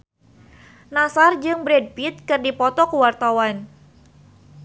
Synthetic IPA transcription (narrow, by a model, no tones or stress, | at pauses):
nasard͡ʒɨŋbɾɛd̚pit̪̚kɨrdipɔt̪ɔkuwart̪awan